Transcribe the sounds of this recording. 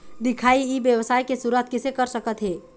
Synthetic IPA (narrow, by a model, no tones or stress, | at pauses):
d̪ɪkʰaːiibjəwsaːjkesʊɾət̪kɪsekəɾsəkət̪ɦɛː